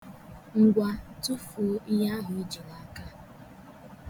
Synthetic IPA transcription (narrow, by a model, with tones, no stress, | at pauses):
ŋ̩˨ɡʷa˦tu˦fu˨˦i˦ja˦ɦʊ˨i˦d͡ʒi˨la˨˦ka˦